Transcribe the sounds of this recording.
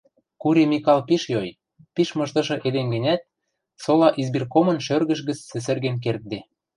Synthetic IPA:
kuɾemikɑlpiʃjoj | piʃmɤ̆ʃt̪ɤ̆ʃɤ̆ʔed̪enɡɘ̆nʲæt̪̚ | solɑʔizbirkomɤ̆nʃørɣə̆ʃɣə̆t͡sːĕs̬ɘ̆rɣenk̬ert̪̚d̪e

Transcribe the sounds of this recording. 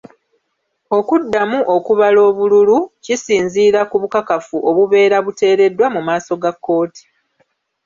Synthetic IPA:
o̞kudːamuʔo̞kuβalo̞ːβululucisiːnziːɾakuβukakafuʔo̞βuβe̞ːɾaβute̞ːɾe̞dːwamumaːso̞ɡakːo̞ːti̥

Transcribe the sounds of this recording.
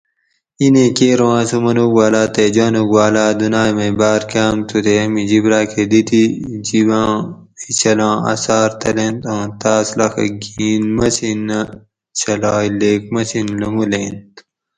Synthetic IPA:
inẽkeːɾõwãːsumɐnuɡwaːlaːt̪ed͡ʑaːnuɡwaːlaːd̪unaːjmɐ̃baːɾkaːmt̪ʰut̪emid͡ʑibɾaːkʰed̪it̪id͡ʑibãː | it͡ɕʰɐlãːɐ̰saːɾt̪ʰɐlẽnt̪ãːt̪aːslɐxɐ̰ɡiːnmɐsinɐ | t͡ɕʰɐlaːileːk̚mɐsinlɐmuleːnt̪

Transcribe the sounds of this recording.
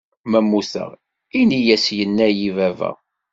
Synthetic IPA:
mæmːuθə̰ʁ | inijæsjənːæjivævæ̰

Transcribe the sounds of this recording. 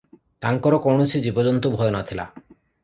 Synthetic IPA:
t̪aŋkɔɾɔkɔwɳosʰid͡ʒibɔd͡ʒɔnt̪ɔbʱɔjɔnɔt̪ʰila̰

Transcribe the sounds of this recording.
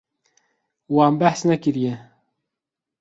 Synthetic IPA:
waːmbæħsnɛkɨɾijɛ

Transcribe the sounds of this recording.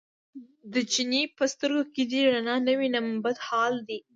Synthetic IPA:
d̪ət͡ʃinipəst̪əɾɡoked̪iɾanɑnəwinambat̪hɑld̪i

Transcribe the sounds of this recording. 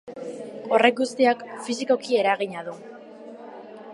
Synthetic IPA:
o̞re̞kɡust̪iakfis̬iko̞kie̞ɾaɣ̞iɲaðu

